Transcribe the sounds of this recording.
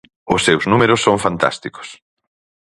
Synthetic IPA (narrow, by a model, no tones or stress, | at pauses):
ʊsːewznumeɾʊsːõŋfant̪a̰st̪iko̥s